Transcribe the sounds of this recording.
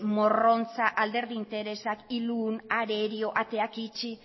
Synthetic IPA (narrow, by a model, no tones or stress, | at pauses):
mo̞ro̞nt͡saʔald̪e̞ɾðint̪e̞ɾe̞sakiluːnaɾe̞ɾio̞ʔat̪e̞akit͡ʃi